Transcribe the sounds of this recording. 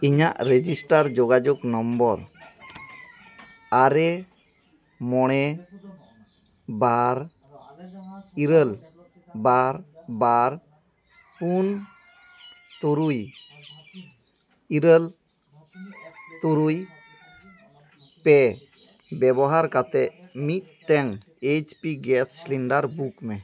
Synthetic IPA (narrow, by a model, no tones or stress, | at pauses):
iɲaʔɾed͡ʒisʈaɾd͡ʒɔɡad͡ʒɔknɔmbɔɾ | aɾɛ | mɔɽ̃ɛ | baɾ | iɾəl | baɾbaɾ | pun | t̪uɾuj | iɾəl | t̪uɾuj | pɛ | bɛbɔɦaɾkat̪ɛmit̪̚tɛŋ | et͡ʃpiɡɛssliɳɖaɾbukmɛ